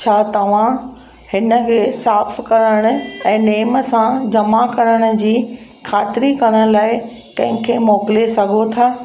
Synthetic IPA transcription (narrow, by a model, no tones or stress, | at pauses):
t͡ɕʰaːt̪ɐʋ̤ã | hɪnə̆kʰeːsaːfkɐɾəɽ̃ʊ̆ɛ̃ːneːməsãd͡ʑɐmakɐɾəɽ̃ʊ̆d͡ʑiː | xʰaːt̪ɪɾikɐɾəɽ̃̆laːɪ | kɐ̃ɦɪ̃kʰeːmɔːkɪlesɐɡʱot̪ʰaː